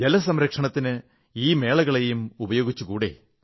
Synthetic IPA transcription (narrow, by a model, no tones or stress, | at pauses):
d͡ʑelɐsɐmɾɐkʂɐɳɐt̪ːinɨ | iːme̞ːɭɐɣɐɭejumubɐjo̞ːɡit͡ɕːukuːɽḛ